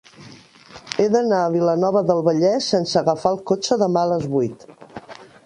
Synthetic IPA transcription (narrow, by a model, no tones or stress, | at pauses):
eðənaəβ̞ilənɔβəðəlˠβəʎɛsensəɣəfalˠkot͡ʃəðəmaələzβujt̪